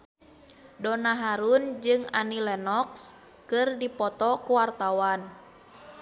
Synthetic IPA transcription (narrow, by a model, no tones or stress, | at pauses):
dɔnaɦaɾund͡ʒɨŋa̰nilɛnɔks | kɨrdipɔt̪ɔkuwart̪awan